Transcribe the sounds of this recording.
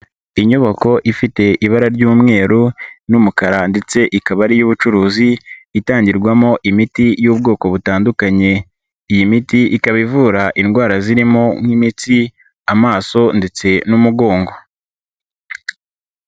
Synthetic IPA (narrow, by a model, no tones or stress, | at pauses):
iɲo̞βoko̞ʔifite̞ʔiβaɾaɾɟuːmŋe̞ːɾunumukaɾande̞t͡se̞ʔikaβaɾijuβut͡ʃuɾuːziːtaːɲɟiɾɡwamo̞ʔimitijuːb̚ɡo̞ːko̞βutaːndukaɲe̞ | ijimitiʔikaβivuːɾaʔinɡwaːɾaziɾimoŋ̥himiti | amaːso̞nde̞t͡se̞numuɡo̞ːŋɡo̞